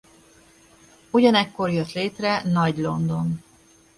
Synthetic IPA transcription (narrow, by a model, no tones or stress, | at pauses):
uɟɒnɛkːo̞rjøt̪leːt̪rɛnɒɟlo̞nd̪o̞n